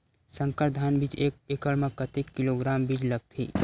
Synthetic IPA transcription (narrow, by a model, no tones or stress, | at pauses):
sə̃ŋkəɾd̪ʱaːnbit͡ʃeːk̚ekəɭməkɐt̪ekːiloɡɾaːmbid͡ʒlɐɡ̚t̪ʰḭː